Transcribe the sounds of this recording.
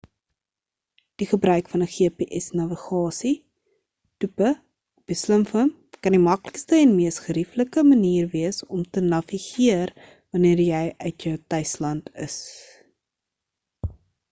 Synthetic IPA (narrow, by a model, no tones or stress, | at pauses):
d̥iχəbrœɥkfɐnəχiəpiʔɛsnɐviχɑːsi | tupə | b̥əsləmfəm | kɐndimɐkləkstəɛnmiəsχəɾifləkəməniːrviəsɔmtənɐviχiər | vɐniərjɛjʔœɥtjəwtœɥslɐntʰə̰s